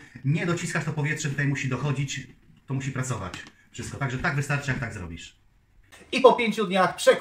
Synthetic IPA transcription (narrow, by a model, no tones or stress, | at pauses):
ɲɛd̪ɔt͡ɕiskaʂt̪ɔpɔvʲjɛtʂɛt̪ut̪ajmuɕid̪ɔxɔd͡ʑit͡ɕt̪ɔmuɕipɾat̪sɔva̰t͡ɕ | fʂɘst̪̚kɔt̪aɡʐɛt̪aɡvɘst̪aɾt͡ʂɘjakt̪aɡzɾɔ̰bʲiʂ | ipɔpʲjeɲt͡ɕud̪ɲaxpʂɛk